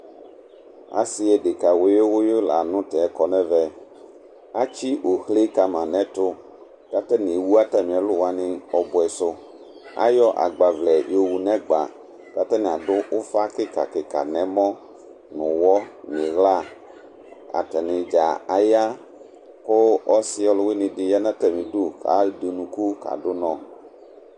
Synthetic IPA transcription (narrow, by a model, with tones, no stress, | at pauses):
a̰˨si˦ɛ˨ɖɪ˨ka˨wo˨˦je˦wʊ˦je˦la̰˨nʊ̃˦t̪ɛ˨ɛ˦kɔ˨nɛ̃˦vɛ˦ | a˦t͡ʃi˦wo˨hle˦ka˨mã˨nɛ̃˦t̪ʊ˦ | ka˦t̪ɛ˦nĩ˨e˨wu˦a˦t̪ɛ˦mĩ˨ɛ˨lʊ˦wa˦nɪ̃˦ɔ˨bʊ˨ɛ˨sʊ˦ | a̰˦jɔ˦ʔa̰˨ɡ͡ba˨vlɛ˨jo˦˨wu˨nɛ̃˦ɡ͡ba̰˨ | ka˦tɛ˦nɪ̃˨a˨dʊ˦ʔʊ˦fa˦kɪ˦ka̰˨kɪ˨ka̰˨nɛ̃˨˦mɔ̃˦ | nʊ̃˨wɔ˦nɪ̃˨ɣla˦˨ | a̰˨tɛ˨nɪ̃˨d͡ʒa˨a˨ja˦ | kʊ˦ɔ˦sɪ˦ɔ˦lʊ˦wɪ˦nɪ̃˨dɪ˨ja˦nã˦tɛ˨mĩ˨dʊ˦kʰa̰˨˦de˨nũ˨ku˦ka̰˨dʊ˦nɔ̃˨